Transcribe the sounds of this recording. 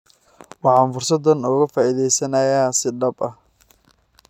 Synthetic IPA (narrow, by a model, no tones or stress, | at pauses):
wɑħɑːnfʊrsɐd̪ɐnɔːɣɐfaːʔiðɛjsɐnɐjaːsɪɖɐbɐh